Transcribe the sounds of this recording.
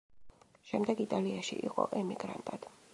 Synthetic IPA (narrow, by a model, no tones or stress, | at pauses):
ʃɛmd̪ɛɡit̪ʼaliaʃḭʔiqʼɔ̰ʔɛmiɡɾa̰nt̪ʼad̪̥